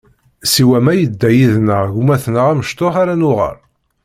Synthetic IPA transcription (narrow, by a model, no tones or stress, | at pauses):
siwæmæjəd̪ːæjiðnəʁʝumæθnəʁæməʃt̪oħaɾænʊʁə̰ɾ